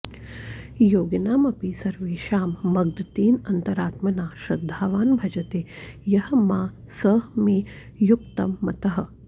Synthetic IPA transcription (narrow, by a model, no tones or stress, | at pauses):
joːɡɐnaːmɐpisɐɾʋeːʃaːmːɐɡ̚d̪t̪iːnɐnt̪ɐɾaːt̪mɐnaːʃɾɐd̪ʱːaːʋaːnbʱɐd͡ʒɐt̪eːjɐhɐmaː | sɐmiː | jukt̪ɐmːɐt̪ɐɦɐ̆